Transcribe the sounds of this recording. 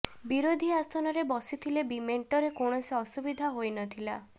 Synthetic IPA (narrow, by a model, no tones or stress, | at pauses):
biɾod̪ʱiast̪ʰɔnɔɾebɔsit̪ʰilebimeɳʈɔɾekoɳ̃ɔsiɔsubid̪ʱaɦojnɔt̪ʰila